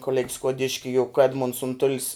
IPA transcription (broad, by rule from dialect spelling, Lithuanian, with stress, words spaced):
koːˈlʲɛkʲ skuɔˈdʲɪʃʲkʲɪ jʊk ˈæːdmʊnts ʊnˈtʊlʲɪs